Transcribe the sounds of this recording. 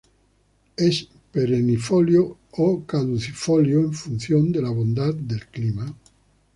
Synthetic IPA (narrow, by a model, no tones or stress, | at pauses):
es | peɾenifoljookaðuθifoljoeɱfun̟θjond̪elaβond̪at̪d̪elklima